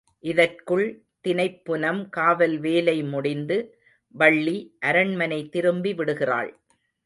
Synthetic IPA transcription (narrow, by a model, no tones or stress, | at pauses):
ʔɪðɐrkɯɭ | t̪ɪnɐɪpːɯnɐmkaːʋɐlʋeːlɐɪmʊɽɪnd̪ɯ | ʋɐɭːiʔɐɾɐɳmɐnɐɪt̪ːɪɾɯmbiʋɪɽɯɣɪra̰ːɭ